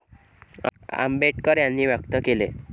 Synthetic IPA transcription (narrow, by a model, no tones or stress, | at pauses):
a̰mbeʈkəɾjanːiʋjəkt̪əkele